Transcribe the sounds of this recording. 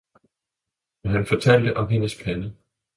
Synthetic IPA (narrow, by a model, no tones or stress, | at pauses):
ɦænfɒ̽t͡sʰæl̰d̥əʔɒ̽mɦe̝nəspʰænə